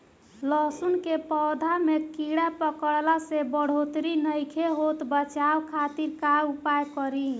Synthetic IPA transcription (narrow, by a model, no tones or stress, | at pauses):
lɔsunkepɔwd̪ʱamekiɽapəkəɽlasebəɽ̤ot̪ɾinəjkʰeɦot̪bət͡ʃabkʰat̪iɾkaupajkɔɾi